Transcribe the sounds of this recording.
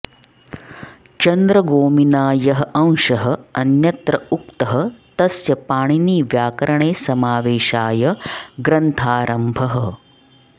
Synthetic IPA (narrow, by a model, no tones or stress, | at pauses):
t͡ʃɐnd̪ɾɐɡoːminaːjɐɦɐʔɐ̃ŋ̃ʃɐɦɐɐnjɐt̪ɾɐuk̚t̪ɐɦɐt̪ɐsjɐpaːɳiniːʋjaːkɐɾɐɳeːsɐmaːʋeːʃaːjɐɡɾɐnt̪ʰaːɾʔɐmbʱɐɦɐ